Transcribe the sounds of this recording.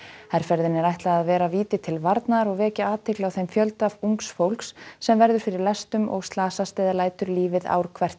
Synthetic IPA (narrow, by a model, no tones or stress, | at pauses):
hɛɾ̥fɛɾðɪnɛɾajht̪laaðvɛːɾaviːt̪ɪt̪ʰɪlvaɾt̪naɾɔɣvɛːcaaːt̪ʰɪklɪawθejmfjœlt̪avuŋksfowlksːɛmvɛɾðʏɾ̥fɪɾɪɾlɛst̪ʏmɔ̰ɣst̪laːsast̪ajðalaːjt̪ʏɾliːvɪða̰ːwɾ̥kʰvɛr̥t̪